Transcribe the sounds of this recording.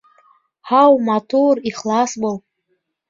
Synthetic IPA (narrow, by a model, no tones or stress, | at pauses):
ħawmatʰuriχlasbal